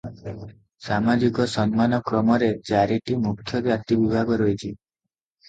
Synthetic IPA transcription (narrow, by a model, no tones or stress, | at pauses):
samad͡ʒikɔsɔnmanɔkɾɔmɔɾet͡ʃaɾiʈimukʰːjɔɾeat̪ibibʱaɡɔɾɔit͡ʃʰi